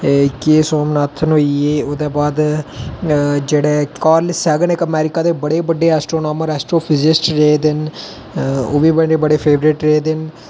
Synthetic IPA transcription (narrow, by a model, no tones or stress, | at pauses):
keːsoːmnaːt̪ʰənɦoːieːoːd̪eːbaːd̪ | d͡ʒeːɽeːkaːɾlsɛːɡənekəmɛːɾɪkaːd̪eːbəɽeːbəɖːeːɛːsʈɾoːnaːməɾɛːsʈɾoːpʰɪzɪsʈɾeed̪ɪn | o̰ːʋiːbəɖeːbəɽeːpʰeːʋɾɪʈɾeeːd̪ɪn